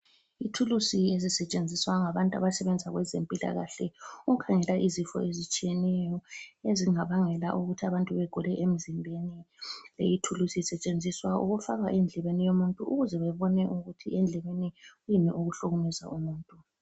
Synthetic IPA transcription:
itʰulusiezisɛt͡ʃʼend͡zʱiswaŋaβantʼa̰βasɛβɛnd͡zʱaɣwɛzempʼila̰ɣaɬɛuɣukʰaŋɛlaʔizifɔ̰ezit͡ʃʼijɛnɛjɔeziŋaβaŋɛlaʔuɣutʰiaβantʼuβɛɡ̥ʱulɛʔem̩zimbʱenilḛjitʰulusisɛt͡ʃʼend͡zʱiswaʔṵɣufaɣwaʔɛnd͡ɮʱɛβenijomuntʼuuɣuzɛβɛβɔnɛʔuɣutʰiɛnd͡ɮʱɛβeniɣujinɛʔuɣuɬuɣumɛza̰ʔumuːntʼu

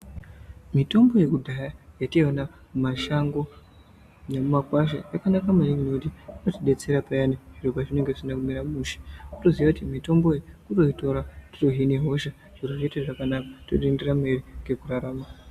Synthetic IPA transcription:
mito̞mbo̞je̞kudʱajajationa | mumaʃaŋɡo̞ | nemumakwaʃ̬a̰jakanakamaniŋinoutiinotiɗe̞t͡se̞ɾapajaneʐiropaʐine̞ŋɡeʐisinakumiɾamuʃe̥uto̞ziʋakutimito̞mboekuroito̞ɾatiroɦineɦo̞ʃa | ʐ̥iroʐeteʐakanakḁto̰tenderamaeɾiŋɡe̞kuraɾaːma

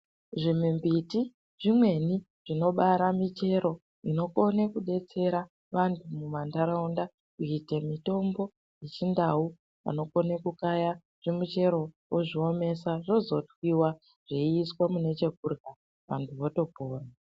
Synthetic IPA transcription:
ʐimimbiti | ʐimwe̞ni | ʐ̥ino̞ɓaɾamit͡ʃe̞ɾo̞ | ino̞ko̞nekuɗe̞t͡se̞ɾa | ʋantʰumumandaɾaunda | kuitemito̞mbo̞ | jet͡ʃindau | ʋa̰no̞konekukaja | ʐ̥emut͡ʃe̞ɾo̞ | woʐio̞me̞saʐo̞zo̞twiwa | ʐ̥eiːswamune̞t͡ʃe̞kurɡa | ʋa̰ntʰuʋoto̞poːra

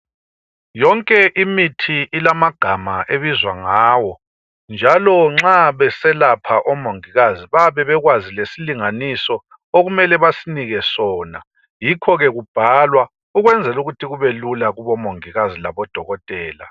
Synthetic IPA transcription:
jɔŋkʼɛʔimitʰiʔilamaɡ̥ʱamaʔeβizwaŋaːwɔ | nd͡ʒʱalɔŋ͡ǁaβɛsɛlapʰaʔɔmoŋiɣaziβaβɛβɛɣwazilesiliŋanisɔ | oɣumɛlɛβasiniɣɛsɔːna̰ | jikʰɔɣɛɣub̥ʱalwa | uɣwɛnd͡zʱɛluɣutʰiɣuβelulaɣuβɔmoŋiɣazilaβɔd̥ʱɔɣɔtʼɛːla̰

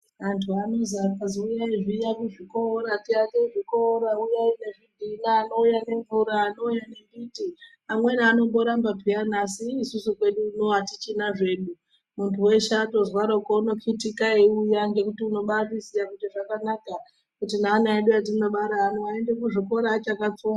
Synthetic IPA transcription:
antʰuano̞zakaziujaiʐijakuʐikoɾatiateʐikoɾaujaine̞ʐidʱinaːno̞ujane̞ɱvuɾaːno̞ujane̞biti | amwe̞naːno̞mbo̞ɾambapianasiːsusukwe̞ɗuːno̞atit͡ʃinaʐe̞ːɗu | muntʰuwe̞ʃato̞zwaɾoukouno̞kitikaeujaŋɡe̞kutiuno̞ɓarisiakutiʐakanaka | kutinaːnaeɗuat̬inoɓaɾaːnoaendekuʐiko̞ɾaːt͡ʃakap͡foa

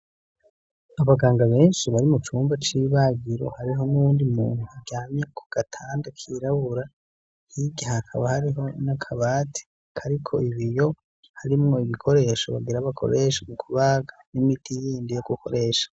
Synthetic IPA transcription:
aβaɡaːŋɡaβe̞ːnʃiβaɾimut͡ʃuːmbat͡ʃiβaɡiɾo̞̰haɾiɦo̞nuwuːndimṵːnhuaɟaːmɲekʰu̥ɡ̥atʰaːndakʰiɾaβuɾa | hiɟahakʰaβahaɾiɦo̞nakʰaβaːtʰi̥ | kʰaɾikʰoiβijo̞ | haɾimŋo̞iβikʰo̞ɾe̞ːʃo̰βa̰ɡiɾaβakʰo̞̰ɾe̞ːʃamukʰuβaːɡanimitʰijiːndijoɡukʰo̞̰ɾe̞ːʃḁ

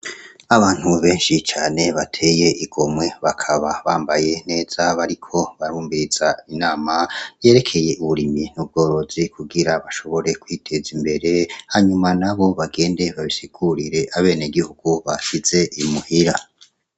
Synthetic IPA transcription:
aβaːn̥huβe̞ːnʃit͡ʃaːne̞βatʰe̞ːje̞ʔiɡ̥o̞mwe̞βakʰaβaβaːmbaje̞ne̞ːz̥aβaɾikʰo̞βaɾuːmbiɾiz̥ainaːmaje̞ːɾe̞kʰe̞je̞ʔuβuɾiminub̚ɡo̞ːɾo̞zikʰuɡiɾaβaʃo̞βo̞ɾe̞kwiːtʰe̞zimbe̞ɾe̞haɲumanaβo̞βaɡe̞ːnde̞βaβisiɡ̥uɾiɾe̞ʔaβe̞ːneɡihuɡ̥uβaʃize̞ʔimuhiɾa

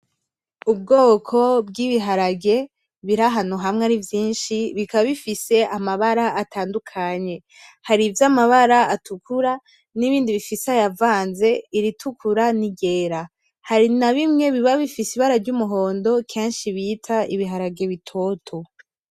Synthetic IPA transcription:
ub̚ɡoːkʰo̞b̚ɡiːβiɦaɾaɡe̞ | βiɾaɦanuɦamŋaɾivjiːnʃiβikaβaβifise̞ʔamaβaɾaʔːtʰaːndukʰaɲe̞ | haɾivjamaβaɾaatʰukuɾa | niβiːndiβifiseajavaːnze̞iɾitʰukʰuɾaniɡe̞ːɾa | haɾinaβimŋe̞βiβaβifisiβaɾaɾɟumuɦo̞ːndo̞kʰeːnʃiβitʰaiβiɦaɾaɡe̞βitʰo̞tʰo

